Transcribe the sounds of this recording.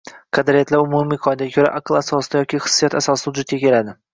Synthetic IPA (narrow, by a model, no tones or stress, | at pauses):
qʰɑd̪ɪɾijat̪laɾʊmumiqʰɒnɪd̪aakʰʲoɾa̰ʔaqɨlˠasɒsd̪ajɒkʲʰiχɨ̥sːijat̪asɒsʊd͡ʒet̪̚kʲakʲʰe̞lad̪ɪ